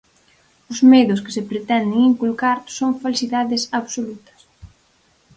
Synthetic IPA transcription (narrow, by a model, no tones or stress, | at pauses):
ʊzmeðʊskɪ̥sepɾet̪ɛnd̪ɪŋiŋkulkaɾsoŋfalsiðaðɪsaβsolut̪ɐ̥s